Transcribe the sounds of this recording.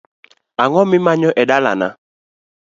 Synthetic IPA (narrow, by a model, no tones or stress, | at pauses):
aŋɔmimaɲɔʔɛɗala̰na̰